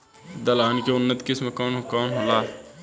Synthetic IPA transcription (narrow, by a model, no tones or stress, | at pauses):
d̪ɐlaːnkeʊnːət̪kɪsmẽkɔːnokɔːnɦolaː